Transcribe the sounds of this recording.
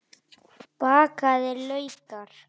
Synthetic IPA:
pakaðelojt̪aɾ

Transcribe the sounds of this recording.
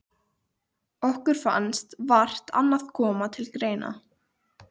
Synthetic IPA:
ɔhkʏɾ̥fa̰nst̪var̥t̪a̰nːaðkʰɔːmat̪ʰɪlkɾeːjna̰

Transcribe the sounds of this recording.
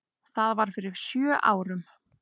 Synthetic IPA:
θaðvaɾ̥fɪɾɪɾ̥sjœːʔa̰ːwɾʏm

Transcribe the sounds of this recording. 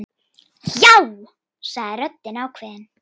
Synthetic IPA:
jaw | saɣðɪɾœt̪ːɪnawkʰvɛːðɪn

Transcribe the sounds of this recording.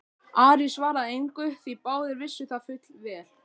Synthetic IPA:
aːɾisvaːɾaejŋkʏθipaːwðɪɾvɪsːʏθafʏt̪lvɛːl

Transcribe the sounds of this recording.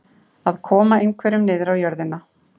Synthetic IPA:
aðkʰɔːmaejŋkʰvɛɾʏmnɪːðɪɾawjœɾðɪna

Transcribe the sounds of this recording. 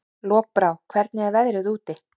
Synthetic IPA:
lɔːk̚pɾaːwkʰvɛɾt̪nɪaðvɛðɾʏðuːt̪ɪ

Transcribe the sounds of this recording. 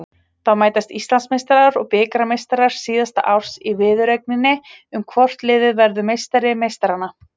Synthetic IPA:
θawmaːjt̪ast̪ist̪lansmejst̪aɾaɾɔɣpɪːkɾamejst̪aɾaɾ̥siːðast̪a̰ʔawr̥sivɪːðʏɾejk̚nɪnːɪʏmkʰvɔr̥t̪lɪːðɪðvɛɾðʏmejst̪aɾɪmejst̪aɾanːa

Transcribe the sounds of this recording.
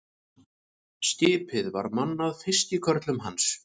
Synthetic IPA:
scɪːpɪðva̰ɾmanːaðfɪ̥scɪkʰœɾt̪lʏmɦans

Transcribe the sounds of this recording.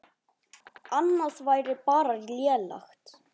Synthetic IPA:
anːasvajɾɪpaːɾalɛːla̰xt̪

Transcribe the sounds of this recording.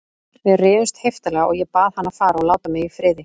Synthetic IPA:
fɪrɪːðʏst̪hejft̪alɛɣaʔɔɣjɛpaːðhanːafaːɾaɔlaːwt̪amɪifɾɪːðɪ

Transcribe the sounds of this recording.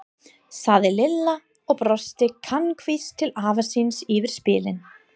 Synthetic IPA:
saːðɪlɪlːa | ɔɣpɾɔst̪ɪkʰankʰvist̪ʰɪlaːvasinsivɪɾ̥spɪːlɪn

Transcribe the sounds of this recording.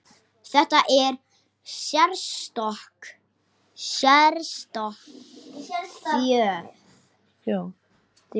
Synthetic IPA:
θɛht̪aʔɛɾ̥ | sjɛɾst̪ɔhk | sjɛɾst̪ɔhk | œː | a

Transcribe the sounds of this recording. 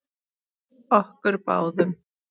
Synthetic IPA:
ɔhkʏɾpa̰wðʏm

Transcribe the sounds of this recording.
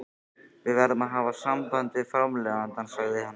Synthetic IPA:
ʋɪʋɛɾðmaɦaʋasambant̪ɪfɾamlɛʋant̪ansaɣðɪɦan

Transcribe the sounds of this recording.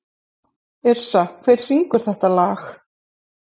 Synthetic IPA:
ɛɾ̥sakʰvejɾ̥siŋkʏɾ̥θɛht̪alaːx

